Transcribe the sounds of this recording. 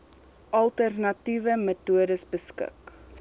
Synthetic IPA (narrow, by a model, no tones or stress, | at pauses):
ʔɐlˠtərnɐtivəmətuədəsbəskə̰k